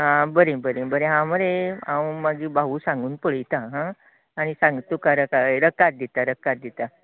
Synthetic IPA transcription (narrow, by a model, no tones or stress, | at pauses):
ɦãbəɾebəɾebəɾeɦãməɾeãwmaɡiːbaɦuːsãŋɡuːnpəɭəjt̪aɦãː | ɽ̃isãŋɡt̪okaɾəkaɾəkat̪̚d̪it̪aɾəkːat̪̚d̪it̪a